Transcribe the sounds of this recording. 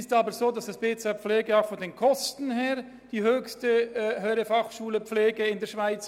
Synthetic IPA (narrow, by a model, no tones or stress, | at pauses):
ɪstɑːbəzoːdɑsd̥ɑsb̥eːt͡sɛfleːɡəaʊxfɔndeːnkʰɔstn̩heːʁ | d̥iːhøːçstəɦøːɾəfɑχʃuːləp͡fleːɡəɪndɛːɐʃv̥aɪt͡s